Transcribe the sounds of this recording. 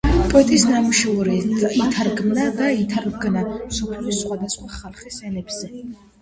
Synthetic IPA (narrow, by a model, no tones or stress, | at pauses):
pʼɔɛt̪ʼisnamuʃɛuɾiit̪ʰaɾɡmnad̪ait̪ʰaɾɡnamsɔpʰliɔsχwad̪asχwaχalˠχisɛnɛbz̥ɛ